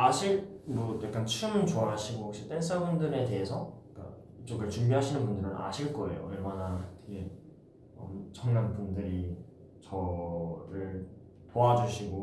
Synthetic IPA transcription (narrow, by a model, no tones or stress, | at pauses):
aɕʰik̚mʌtjak͈ant͡ɕʰɯmɯnt͡ɕoaɦaɕʰiɡoɦʌk̚ɕ͈it͈es͈abundɯɾe̞te̞ɦesʰʌk͈a̰ | it͡ɕoɡɯɭt͡ɕumbiɦaɕʰinɯnbundɯɾɯnʔa̰ɕʰiɭk͈ʌe̞̰jo̰iɭmanatʰeɡe | ʌt͡ɕʰʌŋnanbundɯɾi | t͡ɕʌɾɯɭ | poad͡ʑuɕʰiɡo